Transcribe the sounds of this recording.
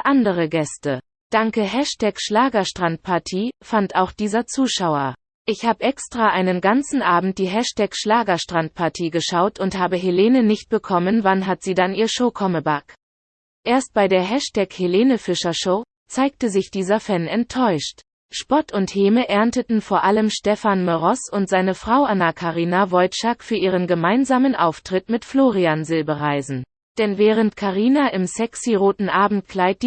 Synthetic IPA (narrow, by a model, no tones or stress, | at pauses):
ʔandəʁəɡɛstə | d̥aŋkəɦɛʃtʰɛkʃlaːɡɐʃtʁ̥ant̚pʰaɐtʰiːfantaʊxd̥iːzɐt͡suːʃaʊɐ | ʔɪçhaːbəʔɛkstʁ̥aʔaɪnənɡant͡sn̩ʔaːbm̩t̚d̥iːɦɛʃtʰɛkʃlaːɡɐʃtʁ̥ant̚pʰaɐtʰiːɡəʃaʊtʰʊnthaːbəɦeleːnənɪçt̚b̥əkʰɔmənvanɦatz̥iːdaniːɐʃoːkʰɔməbak | ʔeːɐst̚b̥aɪdeːɐɦɛʃtʰɛkheleːnəfɪʃɐʃoː | t͡saɪk̚təzɪçd̥iːzɐfɛnɛntʰːɔʏʃt | ʃpɔtʊntheːməʔɛɐntətn̩foːɐʔaləmʃtɛfanməʁɔsʊntz̥aɪnəfʁ̥aʊʔanakʰaʁiːnavɔltʃakfyːɐʔiːʁənɡəmaɪnzaːmənʔa̰ʊftʁ̥ɪtmɪtfloːʁianzɪlbəʁaɪzn̩ | d̥ɛnvɛːʁ̞əntkʰaʁiːnaʔɪmsɛksiʁoːtn̩ʔaːbm̩t̚kʰl̥aɪt̚d̥iː